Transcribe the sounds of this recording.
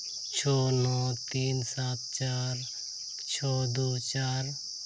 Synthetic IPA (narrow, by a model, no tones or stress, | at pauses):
t͡ʃʰɔːnɔːt̪iːnsaːt̪̚ʰt͡ʃaːɾ | t͡ʃʰɔːd̪uːt͡ʃaːɾ